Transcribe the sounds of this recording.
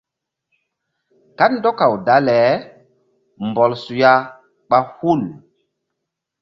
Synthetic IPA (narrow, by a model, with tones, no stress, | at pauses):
ka˦tndo˦ka˨wda˨˦lɛ˨˦ | mbɔ˨lsu˨ja˦ | ɓa˦hu˦˨l